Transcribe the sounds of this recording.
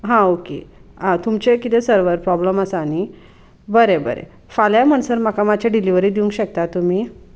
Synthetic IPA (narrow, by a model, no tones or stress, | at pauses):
ɦãokḛat̪umt͡ɕekit̪esəɾʋəɾpɾɔbləməsaːñi | bəɾebə̰ɾḛ | faljam̤əɳ̃səɾməkamat͡ɕaɖiliʋəɾiːd̪iũŋkɕək̚t̪at̪ːum̤iː